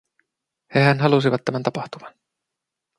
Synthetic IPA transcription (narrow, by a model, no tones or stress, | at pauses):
heɦænɦɑlusiʋɑt̪ːæmænt̪ɑpɑht̪umɑn